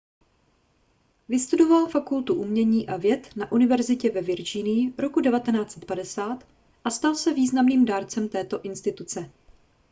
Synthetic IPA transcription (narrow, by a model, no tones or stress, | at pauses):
vɪst̪udo̞valfakult̪uʔumɲɛɲiːʔavjɛt̪naʔunɪvɛɾzɪcɛvɛvɪɾd͡ʒinɪjɪɾo̞kudɛvat̪ɛnaːt͡sɛ̥t̪̚padɛsaːt̪ | ʔast̪alsɛviːznamniːmdaːɾt͡sɛmt̪ɛːt̪o̞ʔɪnst̪ɪt̪ut͡sɛ